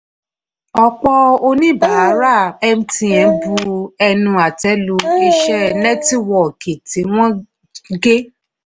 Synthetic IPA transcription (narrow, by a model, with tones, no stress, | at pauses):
ɔ˧k͡pɔ˦o˧nĩ˦˨ba˨˦a˨˦ɾa˦˨ɛ˧m̩̃˧tĩ˧ɛ̃˨˧˦bu˧ɛ˧nũ˧a˨tɛ˦lu˧e˧ʃɛ˦˧nɛ˦ti˦wɔ˨ke˨ti˨˦w̃ɔ̃˦ | ɡe˦